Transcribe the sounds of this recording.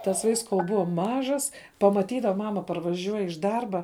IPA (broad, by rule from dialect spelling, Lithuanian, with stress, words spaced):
tɐs ʋɐɪks koːlˠ ˈbʊɐ ˈmɑːʒɐs pɐmɐˈtʲiːdɐʋɐ ˈmɑːmɐ pɐrʋɐˈʒʲuɔj ɪʃ ˈdɐrbɐ